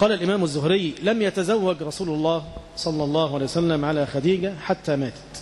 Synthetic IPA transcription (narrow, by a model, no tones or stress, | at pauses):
qɑːlalʔɪmæːmazːʊhɾɪjːlamjat̪azawːaɡɾˤɑsuːlʊlˤːɑːh | sˤɑlːɑlˤːɑːhʕalːjsælːamʕalaːxæd̪iːɡaħat̪ːæːmaːt̪